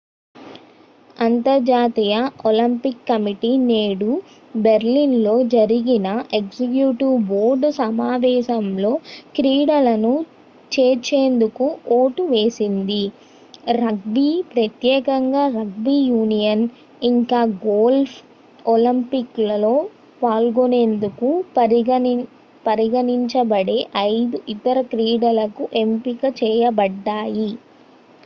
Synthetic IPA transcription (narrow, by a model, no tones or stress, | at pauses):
ɐnt̪ɐɾd͡ʒaːt̪ijɐolɐmpikːɐmiʈine̞ːɽu | beɾliːnlo̞ːd͡ʒɐɾiɡinɐʔeksikjuːʈiboːɾɖsɐmaːʋɛːʃɐmlo̞ːkɾiːɽɐlɐnu | t͡ʃeːt͡ʃeːnd̪ukuoːʈuʋe̞ːsind̪i | ɾɐɡ̚biːpɾɐt̪jɛːkɐŋɡaːɾɐɡ̚biːjuːnijɐn | iŋkaːɡoːlpʰ | olimpiklɐlo̞ː | paːlɡone̞ːnd̪ukupɐɾi | pɐɾiɡɐniɲt͡ʃɐbɐɽe̞ʔɐjd̪uʔit̪ɐɾɐkɾiːɽɐlɐkuʔe̞mpikɐt͡ʃɛːjɐbɐɖːaːji